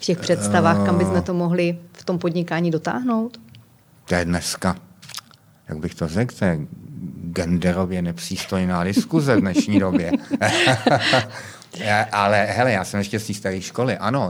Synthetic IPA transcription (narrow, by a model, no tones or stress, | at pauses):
fcɛxpr̥ɛt̪st̪avaːxkambɪsmɛt̪o̞mo̞ɦlɪft̪o̞mpodɲɪkaːɲiːdo̞t̪a̰ːɦno̞wt̪ | t̪ojɛdnɛska | jaɡ̚bɪxt̪orɛkt̪ɛjɛ | ɡɛndɛɾovjɛnɛpr̝̥iːst̪o̞jnaːdɪskuzɛvdnɛʃʃɲiːdobjɛ | ʔalɛɦɛlɛjaːsɛmjɛʃcɛst̪iːst̪aɾiːʃkolɪʔano̞